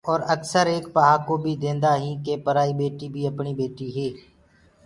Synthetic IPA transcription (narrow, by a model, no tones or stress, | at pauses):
ɔːɾəksəɾeːkpəɦaːkoːbʱid̪ẽːnd̪aːɦĩːkepəɾaːibeːʈibʱiːəpɳiːbeːʈiɦeː